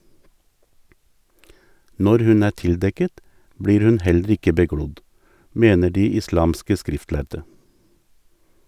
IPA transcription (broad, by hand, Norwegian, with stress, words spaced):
ˈnɔɾ ˈhʉn ˈæː ˈtɪlˌdɛkət ˈbɽiːɾ ˈhʉn ˈhɛlɾ̩ ˈɪkə bəˈɡɽʊd ˈmeːnə ˈɖiː ɪˈslɑːmskə ˈskɾɪftˌlæɾdə